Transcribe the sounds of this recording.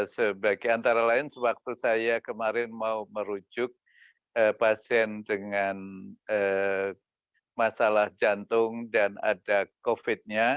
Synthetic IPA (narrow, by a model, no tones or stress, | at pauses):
səbaɡiant̪aɾalaɪnsəwak̚t̪usajakəmaɾɪnmauməɾud͡ʒʊk̚ | əpasiɛndəŋanə | masalahd͡ʒant̪ʊŋdana̰dakofɪt̪̚ɲa